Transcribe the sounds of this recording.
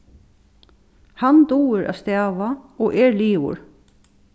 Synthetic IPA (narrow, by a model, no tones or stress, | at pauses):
hant̪uːɪɾʔa̰st̪æːʋaɔʔɛɹliːwʊ̰ɹ